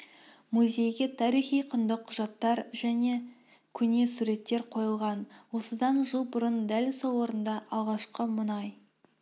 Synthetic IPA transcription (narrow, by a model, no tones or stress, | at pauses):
muzʲe̞jɡʲe̞t̪ʰɑɾijχijqʰʊnd̪əqʰːʊʒɑt̪ːɑɾʒ̥æne̞ | kʲʰʏne̞suɾe̞t̪ːe̞ɾqʰo̞jəlˠʁɑnwo̞səd̪ɑnʒəlˠbʊɾənd̪ælsolˠwo̞ɾənd̪ɑʔɑlˠʁɑʃqəmʊnɑj